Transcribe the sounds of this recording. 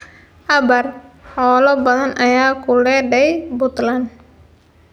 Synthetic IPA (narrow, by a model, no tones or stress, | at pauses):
ʔabarhɔlɔbalanʔajakulɛdɛjbɔt̪lan